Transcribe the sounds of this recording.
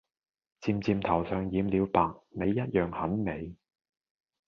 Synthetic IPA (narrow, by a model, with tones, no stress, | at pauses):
t͡siː˧mt͡siː˧mt̪ʰɐ˨˩wsœː˨˧ŋjiː˨˧mliː˨˧wpaː˨k̚me˨˧jːɐ˥t̚jœː˨ŋhɐ˨˥nme˨˧j